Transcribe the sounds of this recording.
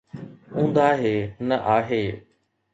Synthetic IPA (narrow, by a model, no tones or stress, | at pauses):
ũːnd̪aːɦeːnɐʔaːɦeː